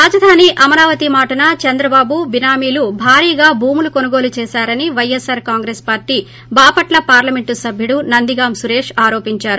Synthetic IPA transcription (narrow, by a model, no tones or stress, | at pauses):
ɾaːd͡ʒɐd̪ʱaːniʔɐmɐɾaːʋɐt̪imaːʈɐnɐt͡ʃɐnd̪ɾɐbaːbubinaːmiːlubʱaːɾiːɡaːbʱuːmulukonuɡo̞ːlut͡ʃɛːʃaːɾɐniʋɐjesɐɾkaːŋɡɾespaːɾʈiː | baːpɐʈlɐpaːɾlɐme̞ɳʈusɐbʱjuɽunɐnd̪iɡaːmsuɾe̞ːʂaːɾo̞ːpiɲt͡ʃaːɾu